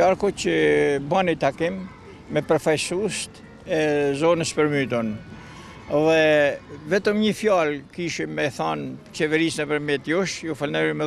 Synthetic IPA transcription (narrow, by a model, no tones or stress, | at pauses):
aɾkɔcəbanit̪akimː | ɛpɾɔfajsust̪ | ɛzɔnəspəɾmyt̪̬ɔn | ðɛvɛt̪əmɲəfjalkiʃimɛθant͡ʃɛvɛɾisnəpəɾmjɛt̪jɔʃjɔfalnɛɾimɛ